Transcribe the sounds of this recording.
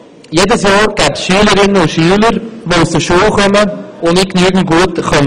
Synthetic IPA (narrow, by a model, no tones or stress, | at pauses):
jeːdəsjɑːɾɡ̥ɛːpsʃyːələɾɪnːəʊʃyːələɾʋousd̥əʃuːəlχœməʊnɪknyːɡn̩ɡ̥uətχœn